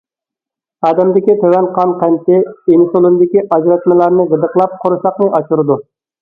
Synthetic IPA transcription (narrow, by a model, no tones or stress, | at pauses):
ɑːd̪ɛmd̪ɪkʲit̪ʰøwɛnqʰɑnqʰɛnt̪ʰɪenɪsolˠɨnd̪ɪkʲiʔɑd͡ʒɾɛt̪mɪlˠɑɾnɨʁəd̪əqlˠɑp̚qʰoɾɨsɑqnɨʔɑt͡ʃuɾɨd̪u